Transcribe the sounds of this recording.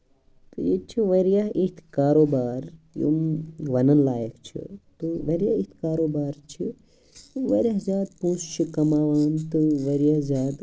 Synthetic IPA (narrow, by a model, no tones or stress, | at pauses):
t̪ɨjet͡ʃʰiʋɐɾjaɦit̪ʰkaːɾoːbaːɾjṵmʋɐnɐnlaːjəkt͡ʃʰḭt̪uʋɐɾjait̪ʰkaːɾoːbaːɾt͡ʃʰi | t̪uʋɐɾjaːɦzʲjaːd̪̚pũːst͡ʃʰikɐmaːʋant̪ɨʋɐɾjaɦzʲaːd̪